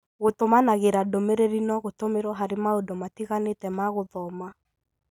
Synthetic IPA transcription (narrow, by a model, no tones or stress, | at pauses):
ɣotomanaɣeɾadomeɾeɾinɔɣotomeɾwɔɦaɾemaodɔmatiɣanetɛmaɣoðɔma